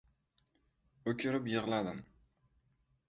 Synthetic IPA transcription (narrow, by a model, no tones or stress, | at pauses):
ɵkʲʰɪɾɪpjɨʁlˠad̪ɪm